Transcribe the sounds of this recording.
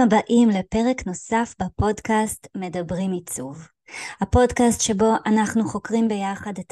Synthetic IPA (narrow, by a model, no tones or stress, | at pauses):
abaʔimlepe̞ʁekno̞safbapo̞dkastme̞dabʁimit͡suv | hapo̞dkastʃebo̞ʔanaχnuχo̞kʁimbe̞jaχadet